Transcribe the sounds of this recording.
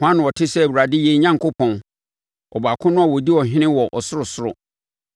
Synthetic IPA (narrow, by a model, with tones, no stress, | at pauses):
hʊ˦ã˦nʊ̃˨wɔ˨tʰɪ˦sɛ˦æ˨wu˨ɾa˨dɪ˦je˦ɲã˦ŋkʰʊ˦pʰɔ̃˨n | ɔ̰˨ba˨kʰʊ̃˦nʊ̃˦a˨wɔ˨di˦ɔ˨ɦɪ̃˦nɪ̃˦wɔ˨ʔɔ˨sʊ˦ɾʊ˨sʊ˦ɾʊ̰˨